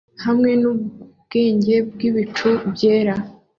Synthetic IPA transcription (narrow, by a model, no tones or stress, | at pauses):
hamŋe̞nu | ɡ̥e̞ːɲɟe̞bɡiβit͡ʃubje̞ːɾa